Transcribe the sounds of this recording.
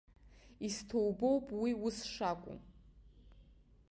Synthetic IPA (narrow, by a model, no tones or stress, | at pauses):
istʰo̞wbo̞wpʼwiusʂakʷʼʊ̰m